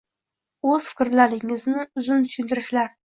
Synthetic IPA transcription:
ɵz̥fɪ̥kʲɪɾlaɾɪŋɪznɪʊzʊnt̪ʰʊ̥ʃʊnt̪ɪɾɪʃlaɾ

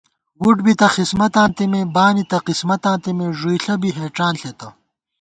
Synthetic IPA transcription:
wuʈbit̪ɐxismɐt̪ãːnt̪imebaːnit̪ɐqismɐt̪ãːnt̪imeʐujɬɐbiɦeːʈ͡ʂaːnɬet̪ɐ

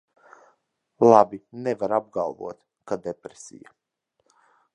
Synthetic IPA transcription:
lˠabʲinevaɾab̚ɡalˠvṵɔt̪ | kad̪epɾesʲḭja̰

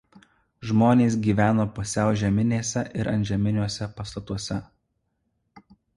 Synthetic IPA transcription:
ʒmoːnʲeːs̬ɡʲiːʋʲæːnoːpʊsʲɛˑʊʒʲɛmʲɪnʲeːsʲɛʔɪɾɐ̰nʲʒʲɛmʲɪnʲuɔsʲɛpɐst̪ɐt̪uɔsʲɛ

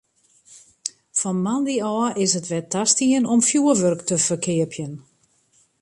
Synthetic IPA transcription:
fɔnmandiɔːəʔɪsətʋɛtʰastiənɔmfjuəʋørktəfərkʰɪəpʰjən

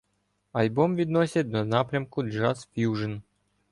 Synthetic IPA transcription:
ɐlʲbɔmʋʲid̪nɔsʲɐt̚ʲd̪ɔnɑpɾʲɐmkʊd͡ʒɑsfʲjuʒən

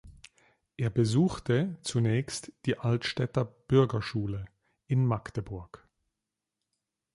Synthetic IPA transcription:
ʔeːɐbəzuːxtət͡sunɛːçstd̥iːʔaltʃtɛtɐb̥ʏɐɡɐʃuːlə | ʔɪnmaktəbʊɐk

